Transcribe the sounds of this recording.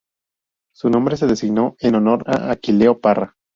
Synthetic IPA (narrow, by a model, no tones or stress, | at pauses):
sunõ̞mbɾe̞se̞ðe̞siɡno̞enono̞ɾa̰ʔakileopara